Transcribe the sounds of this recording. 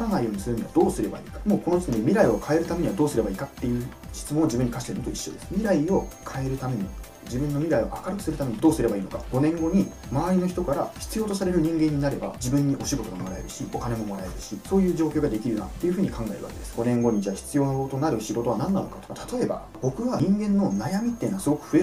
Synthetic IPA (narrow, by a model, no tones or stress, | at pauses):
ãŋɡaijo̞ːɲ̟isɨɾɯ̟noβad̪o̞ːsɨɾe̞ba̰ḭːkamo̞ːko̞not̪o̥kʲiɲʲimʲiɾaio̞kʰae̞ɾɯ̟t̪ame̞ɲ̟iβad̪oːsɨɾe̞baiːkat̪ːe̞jɯ̟ː | ɕi̥t͡sɨmõ̞ːoʑibɯ̟ɲ̟ːikaɕi̥t̪eɯ̟not̪oiɕːo̞̰d̪e̞sɨ̥mʲiɾaio̞kʰae̞ɾɯ̟t̪ame̞ɲ̟ḭ | d͡ʑibɯ̃nːo̞mʲiɾaio̞̰ʔakaɾɯ̟kɯ̟̥sɨɾɯ̟t̪ame̞ɲ̟id̪o̞ːsɨɾe̞baiːno̞kaɡ̥o̞nẽ̞ŋɡo̞ɲ̟imaaɾʲino̞çi̥t̪o̞kaɾaçi̥t͡sɨjo̞ːt̪o̞saɾe̞ɾɯɲ̟ĩŋɡẽ̞ɲ̟ːinaɾe̞ba̰d͡ʑibɯ̟̃ɲ̟ːiʔo̞ɕiɡo̞t̪o̞ɡamo̞ɾae̞ɾɯ̟ɕio̞kanemo̞mo̞ɾae̞ɾɯ̟ɕiso̞ːjɯ̟ːd͡ʑo̞ːkʲo̞ːɡad̪e̞kʲiɾɯ̟na̰t̪ːe̞jɯ̟ɸɯːɲ̟ikãŋɡae̞ɾɯ̟βa̰ked̪esɨ̥ɡo̞nẽ̞ŋɡo̞ɲ̟id͡ʑaçi̥t͡sɨjo̞ːt̪o̞naɾɯ̟ɕiɡo̞t̪oanãnːano̞̰kḁt̪okat̪ʰḁt̪o̞e̞ba̰ | b̥o̞kɯ̟βaɲĩŋɡẽ̞nːo̞najamʲit̪ːenoasɨɡokɯ̟̥ɸɯ̟e